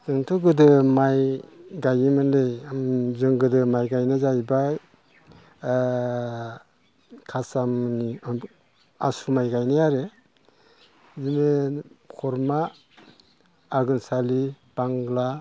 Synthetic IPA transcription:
z̥ɯŋtʰɔɡɯdɯmajɡajimɯnlejamzɯŋɡɯdɯmajɡajnɯzajba | kʰasamni | asumajɡajnajaɾe | zimekʰɔɾma | ɡɯnsali | b̥aŋɡla

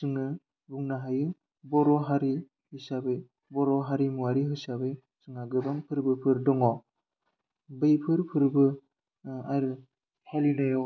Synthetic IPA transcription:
sɯŋɯ | buŋnaɦajɯ | bɔɾɔɦaɾi | hisabe | bɔɾɔɦaɾimuwaɾiɦɯsabe | sɯŋaɡɯbaŋpʰɯɾbɯpʰɯɾdɔŋɔ | bɯjpʰɯɾpʰɯɾbɯ | aɾɯ | halinɯjɔ

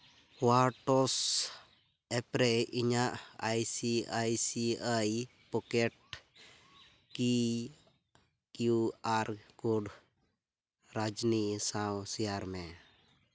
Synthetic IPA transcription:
waʈɔs | ɛpɾɛiɲaʔajsiajsiaj | pɔkɛʈ̚ | ki | kjuaɾkuɖ | ɾad͡ʒnisãwsijaɾmɛ̃

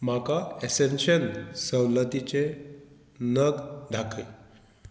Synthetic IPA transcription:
makaesenɕənsəwlət̪it͡ɕe | nəɡd̪ʱakʰe

